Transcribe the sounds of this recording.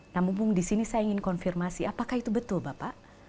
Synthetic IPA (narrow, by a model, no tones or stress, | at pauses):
namuŋpʊŋdisinisajaiŋɪnkɔnfirmasiapakahit̪ubət̪ʊlbapaʔ